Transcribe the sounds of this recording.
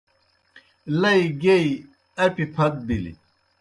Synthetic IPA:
lɐiɡei | ɐpipʰɐt̪̚bilḭ

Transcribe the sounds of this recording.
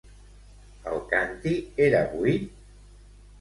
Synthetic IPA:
alkant̪ieɾaβui

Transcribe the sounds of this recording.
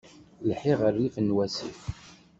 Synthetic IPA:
lħiʁərːifənwæsḭf

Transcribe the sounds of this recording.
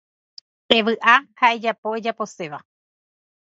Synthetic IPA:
e̞ʋɨʔahae̞d͡ʒapo̞e̞d͡ʒapo̞se̞ʋa

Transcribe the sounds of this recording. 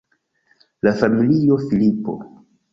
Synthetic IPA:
lafamilijo̞filipo̰

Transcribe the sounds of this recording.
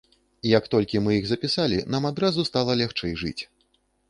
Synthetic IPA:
ijɐkt̪ɔlʲkʲimɨjiɣzɐpʲisalʲinamad̪ɾazust̪alˠɐlʲɛxt͡ʂɛjʐɨ̰t͡sʲ

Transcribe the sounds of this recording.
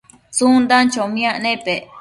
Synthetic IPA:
t͡sund̪ant͡ʃomĩãʔnẽpe

